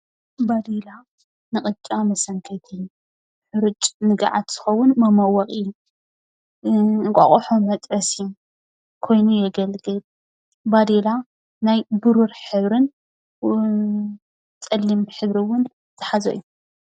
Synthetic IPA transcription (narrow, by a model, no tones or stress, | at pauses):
bad̪ila | nɨχʼɨt͡ʃʼamɐsɐŋkʰɐjt̪ʰɨjːu | ħʊɾɨt͡ʃʼnɨɡa̰ʕat̪z̥ɨxɐwːʊnmɐmɐwɐχʼɨjːu | kʼɐ̰χʼoħomɐt̪ʼɾɐsiju | kʰo̞jnujɛɡɐlɡɨl | bad̪ila | najbuɾuɾħɨβɾɨn | t͡sʼɐlːimħɨβɾiwʊn | t̪ʰɐ̥ħazɐ̰ʔjːu